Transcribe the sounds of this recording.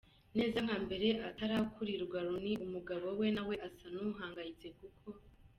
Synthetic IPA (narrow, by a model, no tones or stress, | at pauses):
ne̞ːzaŋhaːmbe̞ɾe̞ʔataɾakʰuɾiɾuɡaɾuniʔumuɡaβo̞we̞nawe̞ʔasanuɦaːŋɡajit͡se̞kukʰo̞